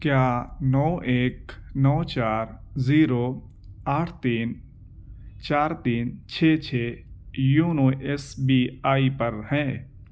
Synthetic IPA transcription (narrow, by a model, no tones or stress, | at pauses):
kjaːnɔːʔeːknɔːt͡ʃaːɾziːɾoː | aːʈʰt̪iːn | t͡ʃaːɾt̪iːnt͡ʃʰeːt͡ʃʰeːjuːnoːʔesbiːaːipəɾhɛ̃ː